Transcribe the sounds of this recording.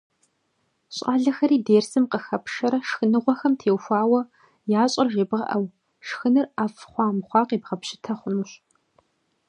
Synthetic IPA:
ɕʼaːɮɐxɐɾiːdeːrsɨmqəxɐpʂɐɾɐʃxɨnɨʁʷɔxɐmtʰeːwxʷɑːwɐ | jaːɕʼɐrʒeːbʁɐ̰ʔɐw | ʂxɨnɨraːfχʷɑːmχʷɑːqiːbʁɐpɕɪ̥tʰɐχʷʊnuɕ

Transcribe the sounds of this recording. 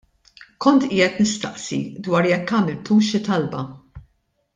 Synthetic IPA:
kɔnt̪ɪːjɛt̪nɪst̪ɐʔsḭd̪wɐːɾjɛkːɐːmɪlt̪uːʃɪt̪ɐlbɐ

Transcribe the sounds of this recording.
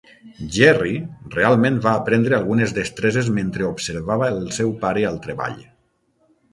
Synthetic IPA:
ʒɛrirealˠmẽnβaːpɾend̪ɾealˠɣunezðest̪ɾezezmẽnt̪ɾeobseɾβaβəlˠsɛwpaɾeəlˠt̪ɾeβa̰ʎ

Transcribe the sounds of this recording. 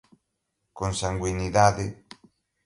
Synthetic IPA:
koŋsaŋɡwiniðaðɪ

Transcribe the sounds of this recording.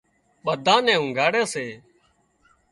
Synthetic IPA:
ɓəd̪ʱãːnɛ̃ːɦʊ̃ːɡʱaːɽeːseː

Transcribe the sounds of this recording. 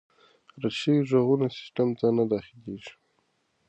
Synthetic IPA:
ɾaʃiwiʐoɣunasɪ̥sʈamd͡zɑnad̪ɑxɪleʒi̥

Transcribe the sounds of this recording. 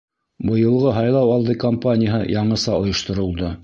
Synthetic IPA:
bɤ̆jɤ̆lˠʁɤɦɑjlˠɑwɑlˠd̪ɤkɐmpanʲɪjəɦɤjɑɴɤ̆sɑŏjŏʃt̪ɤ̆ɾɤ̆lˠd̪ɤ

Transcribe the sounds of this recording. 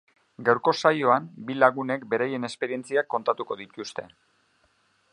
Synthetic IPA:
ɡawɾko̞sajo̞ambilaɣ̞une̞kbe̞ɾaje̞ne̞spe̞ɾie̞nt͡siakːo̞nt̪at̪uko̞ðit̪ust̪e̞

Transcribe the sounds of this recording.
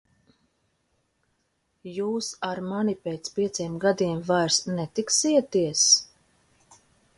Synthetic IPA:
juːsaɾmanipɛːt̪spʲiɛt̪siɛmɡad̪iɛmvajɾsnɛt̪iksiɛt̪iɛs

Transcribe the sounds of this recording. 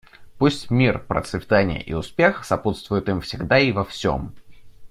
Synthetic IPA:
pusʲtʲmʲirpɾə̰t̪svʲɪt̪anʲɪ̰jə̰ʔḭʊspʲe̞xsɐput̪st̪vʊjʊt̪ɨmfsʲɪɡd̪aivɐfsʲo̰m

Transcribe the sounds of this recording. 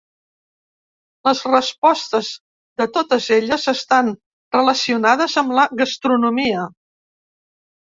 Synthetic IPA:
ləzrəspɔst̪əz | ðət̪ot̪əzeʎəzəst̪an | rələsiunað̞əzəmləɣəst̪ɾunumiə

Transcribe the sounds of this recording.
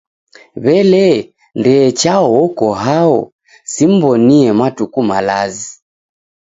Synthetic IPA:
βɛlɛ | ndɛːt͡ʃaɔɔkɔɦaɔ̰ | sim̩bɔniɛmatukumalazi

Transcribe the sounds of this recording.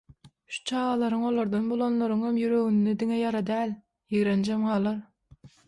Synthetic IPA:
ʃu̥t͡ʃʰɑːʁɑlˠɑɾɯŋolˠoɾd̪ɑnbolˠonlˠoɾɯŋhemjyɾøɣynːid̪iŋɛjɑɾɑd̪æːlʲ | jiɣɾend͡ʒemʁɑːlˠɑɾ

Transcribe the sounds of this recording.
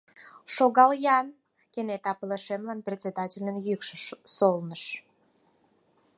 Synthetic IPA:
ʃoɣɑljɑn | kenet̪ɑpəleʃemlɑnprʲet͡sʲed̪ɑtʲilʲənjykʃəsolnəʃ

